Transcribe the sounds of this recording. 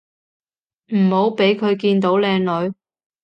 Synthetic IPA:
m̩˨˩ho˨˥wpe˨˥jkʰɵ˨˧ɥkiː˧nt̪o˨˥wlɛː˧ŋlɵ˨˧ɥ

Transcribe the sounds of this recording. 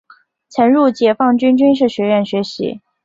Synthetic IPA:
t͡ɕʰjɛ˧˥nɻu˥˩t͡ɕjɛ˧˥fɑ˥˩ŋt͡ɕy˥nt͡ɕy˥nʂ̬ɻ̩˥˩ɕɥɛ˧˥ɻə˥˩nɕɥɛ˧˥ɕḭ˧˥

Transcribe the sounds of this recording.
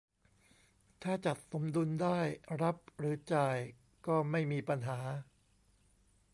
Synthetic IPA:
t̪ʰaː˥˩t͡ɕa˨˩t̪̚so˩˦mdu˧ndaː˥˩jɾa˦˥p̚ɾɯː˩˦t͡ɕaː˨˩j | kɔː˥˩ma˥˩jmiː˧pa˧nɦaː˩˦

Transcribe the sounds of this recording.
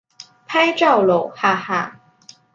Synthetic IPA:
pʰa˥ɪʈ͡ʂɑ˥˩ʊlo˨˩ʊxa˥˧xa˥˩

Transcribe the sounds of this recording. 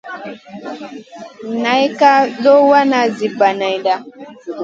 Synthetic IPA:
na˨˦jka˦ɗɔ˦wa˦na˨zi˨ba˨na˨i˨da˦

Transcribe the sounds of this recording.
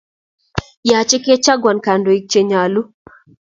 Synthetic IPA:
ja˨t͡ʃɪ˦ke˦t͡ʃa˦ɡwa˨nka˨ndo˨i˨k̚t͡ʃe˨ɲa˨lu˦

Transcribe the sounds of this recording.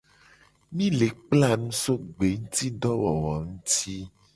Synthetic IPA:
mĩ˦le˨k͡pla˦˨nũ˦so˦ɡ͡be˨ŋũ˦t̪i˦ɖɔ˦wɔ˨wɔ˨ŋũ˦t̪i˦

